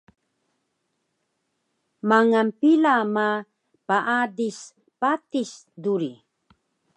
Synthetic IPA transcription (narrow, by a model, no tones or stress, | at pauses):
maŋanpilama | paʔadis | patis | duɾi